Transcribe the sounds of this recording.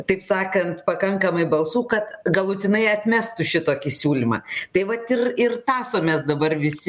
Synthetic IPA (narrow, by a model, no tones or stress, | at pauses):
t̪ɐɪpsɑːkɐnt̪pɐkɐŋkɐmɐɪbɐlˠsuːkɐt̪ɡɐlˠʊt̪ʲɪnɐɪɐt̪ʲmʲæːst̪ʊʃʲɪt̪oːkʲɪsʲuːlʲimɑ̰ːt̪ɐɪʋɐt̪ɪrɪrt̪ɑːsoːmʲeːsd̪ɐbɐrʋʲɪsʲɪ